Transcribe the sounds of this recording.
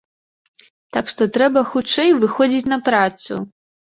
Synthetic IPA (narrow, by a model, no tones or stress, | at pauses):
t̪akʂt̪ɔt̪ɾɛbɐxut͡ʂɛjvɨxɔd͡zʲit͡sʲnɐpɾat̪sṵ